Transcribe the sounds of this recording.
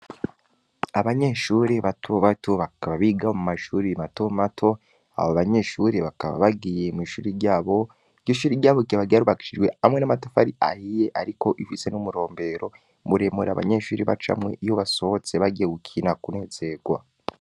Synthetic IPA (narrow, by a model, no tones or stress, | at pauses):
aβaɲe̞ʃuːɾeβatʰoβatʰoβakaβaβiɡaomumaʃuːɾimatomatʰo̞ | a̰βoβaɲe̞ʃuɾeβakaβa̰βaɡije̞miːʃuːɾiɾɟaːβo̞ | ɟoʃuːɾiɟaːβoɡiaβaɡiaɾuβaki̥ʃid͡ʒɡwe̞amŋe̞namato̥faɾiʔa̰hijeʔaɾiko̞ʔifise̞numuɾo̞ːmbe̞ɾo̞ | muɾe̞muɾa̰βa̰ɲe̞ʃuːɾiβa̰t͡ʃa̰mŋe̞ʔijo̞βaso̞βot͡se̞βaɡijeɡukʰinakune̞ːz̥e̞ɡ̥wa̰